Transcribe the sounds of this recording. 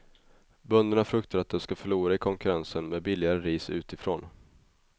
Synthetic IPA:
bœnd̪əɳafɾɵkt̪aɾat̪̚d̪ɛmskafœɭuːɾaɪkʰɔŋkɵɾansənmeːd̪̚bɪlːɪaɾəɾiːsʉ̟ːt̪ɪfɾo̰ːn

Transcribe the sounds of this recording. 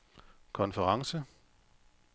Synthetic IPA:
kʰɒ̽nfəʁɑ̈ŋsə

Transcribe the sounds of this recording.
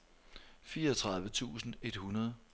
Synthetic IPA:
fiːɐɒt͡sʰʁɑ̈ð̞ˠʋət͡sʰṵːsn̩e̝d̥hunɐð̞ˠ

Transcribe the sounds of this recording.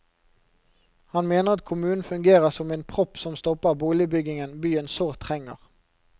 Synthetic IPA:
hɑnmeːnəʁɑt̪̚kʰʊmʉːnn̩fʉŋɡeːʁəʁsɔmeːnpʰʁɔpsɔmst̪ɔpəʁbuːlɪəbʏɡɪŋənbyːənsoːʁt̪ʰʁɛŋə̰ʁ

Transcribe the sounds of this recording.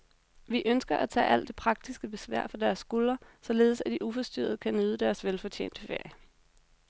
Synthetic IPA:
ʋiʔønsɡ̥ɐʔæt͡sʰɛ̰ːʔæl̰d̥e̝pʰʁɑ̈ɡ̥̚d̥isɡ̥əb̥e̝sʋæ̰ɐ̰fɒ̽d̥æɐsːɡ̥ulɐsɒ̽le̝ːð̩ˠsæd̥iʔufɒ̽sd̥y̰ːɐð̞̩ˠəkʰænøːð̞ˠəd̥æɐsʋelfɒ̽t͡ɕʰḛːnd̥əfe̝ɐ̰jə

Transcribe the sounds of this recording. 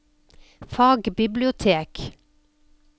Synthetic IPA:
fɑːɡbɪblɪʊt̪ʰeːk

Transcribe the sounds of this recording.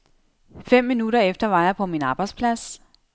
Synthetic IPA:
fem̰ːinud̥ɐefd̥ɐʋɑ̈jɑ̈pʰɒ̽minɑ̈ːb̥ɑ̈ɪdspʰlæs

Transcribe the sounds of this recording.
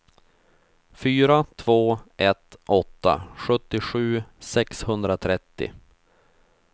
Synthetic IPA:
fyːɾat̪ʰv̥oːʔɛt̪ʔɔt̪ːa̰ɧɵt̪ːɪɧʉ̟ːsɛkshɵnd̪ɾat̪ʰɾɛt̪ːɪ̰

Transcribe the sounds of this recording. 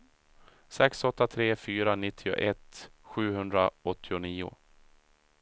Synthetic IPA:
sɛksɔt̪ːat̪ʰɾeːfyːɾanɪt̪ʰːɪʊ̰ʔɛt̪ːɧʉ̟ːɦɵnd̪ɾaɔt̪ʰːɪʊniːʊ̰

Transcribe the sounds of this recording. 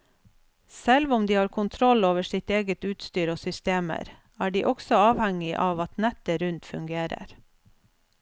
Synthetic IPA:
sɛlʋʊmd̪iːhɑːɾkʰʊnt̪ʰɾɔloːʋəsɪt̪eːɡət̪ʉːt̪st̪yːɾoːsʏst̪eːmə̰ɾ | æːɖiːʔɔksɔɑːʋhɛŋɪʔɑːʋɑt̪nɛt̪əɾʉnt̪fʉŋɡeːɾə̰ɾ

